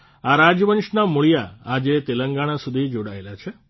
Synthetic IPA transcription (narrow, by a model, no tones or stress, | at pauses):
aɾad͡ʒjəʋənʃnamuɭijaad͡ʒet̪eləŋɡaɽ̃asud̪ʱid͡ʒoɽaelat͡ʃʰe